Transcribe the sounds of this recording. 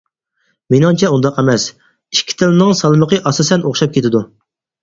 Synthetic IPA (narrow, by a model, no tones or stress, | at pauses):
menɪŋt͡ʃʰɛund̪ɑqɛmɛs | iʃkʲʰːi̥t̪ʰɪlɪnɨŋsɑlˠməqəʔɑsɑsɛnoχʃɑp̚kʲʰet̪ʰɪd̪u